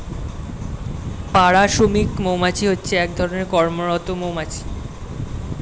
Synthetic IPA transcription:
paɽaʃumikmowmat͡ɕʰiɦotːɕʰeɛk̚d̪ʱɔɾoneɾkɔɾmoɾɔt̪omowmat͡ɕʰi̥

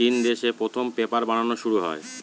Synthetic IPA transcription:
ind̪eʃepɾot̪ʰompepaɾbañanoʃuɽuɦɔ̰e

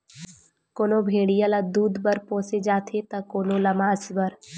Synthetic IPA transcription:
koːnobʱeːɽijalad̪uːd̪bəɾpõːsed͡ʒaːt̪ʰet̪ɐkoːnolɐmaːsbəɾ

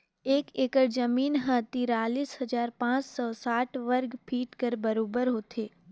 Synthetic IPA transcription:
eːkeːkəɾd͡ʒɐmiːnɦə̃t̪iːɾaːliːsɦɐd͡ʒaːɾpãːt͡ʃsɔːsaːʈʰʋəɾɡpʰiːʈkəɾbɐɾoːbəɾɦoːt̪ʰeː

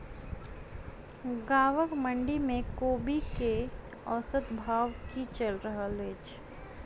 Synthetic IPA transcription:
ɡaːʋəkmə̃ɳɖimẽkoːbike | ɔːsət̪bʱaːʋkit͡ʃəlɾəɦaleːt͡ʃ

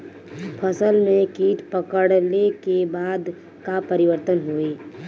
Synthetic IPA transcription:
pʰəsəlmẽkiːʈpəkəɽlekebaːd̪ | kapəɾɪʋəɾt̪ənɦueː

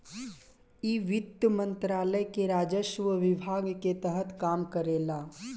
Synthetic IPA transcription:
iːʋɪt̪əmə̃nt̪ɾaːləjkeɾaːd͡ʒəʃʋəʋɪbʱaːɡket̪əɦət̪kaːmkəɾeːlaː

